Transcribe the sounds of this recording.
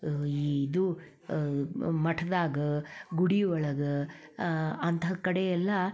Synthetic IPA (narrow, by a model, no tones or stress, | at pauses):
iːd̪u | mɐʈʰɐd̪aːɡɐɡuɽiɔɭɐɡɐ | ɐnt̪ʰɐkɐɽejɛlːɐ